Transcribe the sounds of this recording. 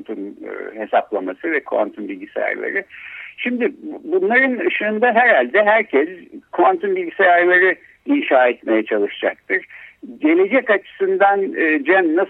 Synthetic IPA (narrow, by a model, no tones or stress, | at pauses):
nt̪ʰun̰he̞saplˠamasɯvɛkʰṵa̰nt̪ʰunbilʲɟisḛja̰ɾlˠa̰ɾɯʃimd̪ɪbunlˠaɾɯnɯʃɯːnd̪aɦæɾhalʲd̪ɛɦæɾcʰɛzkʰuant̪unbilʲɟisejaɾlˠaɾɯ | inʃaːɛt̪me̞jɛt͡ʃʰalˠɯʃd͡ʒak̚t̪ʰɯɾ̥ɟe̞lʲe̞d͡ʒɛcat͡ʃʰɯ̥sɯnd̪anːd͡ʒænːas